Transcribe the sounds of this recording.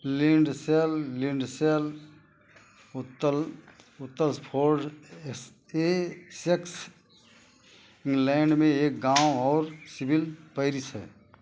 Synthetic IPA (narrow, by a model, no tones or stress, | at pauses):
lĩɳɖselːĩɳɖsel | ʊt̪ːəlʊt̪ːəlspʰoːɾɖs | eseks | ɪ̃ŋɡlɛ̃ːɳɖmẽeːk̚ɡaːwɔːɾsɪbɪlpəɪɾisɦɛ̰ː